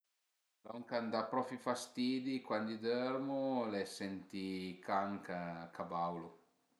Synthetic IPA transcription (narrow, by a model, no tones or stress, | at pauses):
lɔŋkand̪apɾɔfifast̪iːd̪ikwand̪id̪ɛɾmulɛsɛnt̪ikaŋkakʰabawlu